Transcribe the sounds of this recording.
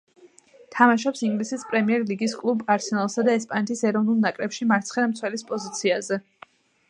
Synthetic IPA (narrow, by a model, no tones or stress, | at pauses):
t̪ʰamaʃɔpsiŋɡlisispʼɾɛmiɛɾliɡiskʼlˠubaɾsɛnalˠsad̪aɛspʼanɛt̪ʰisɛɾɔvnulˠnakʼɾɛpʃimaɾt̪sʰχɛɾmt̪sʰwɛlispʼɔzit̪sʰiazɛ